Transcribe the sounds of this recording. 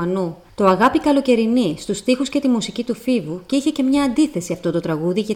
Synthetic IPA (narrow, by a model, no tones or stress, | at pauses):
ɐnu | t̪o̞ɐɣɐpikɐlo̞ce̞ɾinist̪ust̪ixusce̞t̪imusicit̪ufivuceiçe̞ce̞mɲɐːnd̪iθe̞siɐft̪ot̪o̞t̪ɾɐɣuðiʝɐ